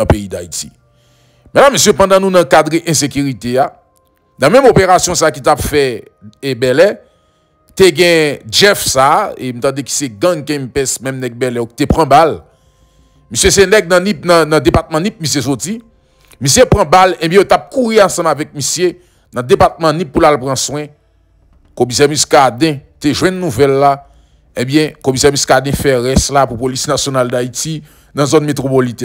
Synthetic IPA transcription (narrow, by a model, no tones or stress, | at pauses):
peida̰itḭ | mɛ̃lamøsjøpãd̪ãnũnɐ̃kad̪ʁeʔɛ̃sek̬yʁit̪ea | d̪ãmɛ̃mopeʁasjɔ̃saːkit̪apfɛ | bɛlɛ | t̪eɡɛ̃d͡ʒɛfsaem̩t̪ãdeki̥seɡãŋkɛ̃mpɛsmɛ̃mnɛɡ̚bɛlɛoki̥t̪epʁãbal | misjesenɛɡ̚nɐ̃nĩp̚nɐ̃nɐ̃depat̪̚mɐ̃nĩp̚misjes̬oti | misjepʁãbalɛ̃bjɛ̃jot̪ap̚kuɣiãsɐ̃mavɛk̚misje | nɐ̃d̪epat̪̚mɐ̃nĩpːulalpʁɐ̃swɛ̃ | komis̬ɛmiskad̪ɛ̃t̪eʒwɛ̃nːuvɛlːa | ẽbjɛ̃komis̬ɛʁmiskad̪ɛ̃fɛʁɛslapupolisnasjonald̪aiti | nɐ̃zɔnmet̪ʁopolit̪ɛ